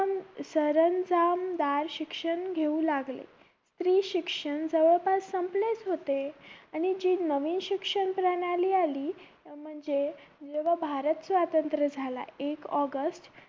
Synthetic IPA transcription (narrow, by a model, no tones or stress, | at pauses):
msəɾənd͡zamd̪aɾɕikʂəɳɡʱeũlaɡlḛ | st̪ɾiːɕikʂəɳd͡zəʋəɭpasːəmplet͡sɦot̪eañid͡ʑiːnəʋiːnɕikʂəɳpɾənaliːaliː | m̤əɳd͡ze | d͡zeʋ̤abʱaɾət̪sʋat̪ənt̪ɾəd͡zʱala̰ekɔɡəsʈ